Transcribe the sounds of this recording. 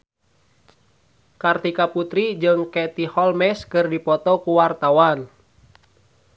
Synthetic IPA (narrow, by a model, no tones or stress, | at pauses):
kart̪ikaput̪ɾid͡ʒɨŋkɛt̪ihɔlmɛskɨrdipɔt̪ɔkuwart̪awan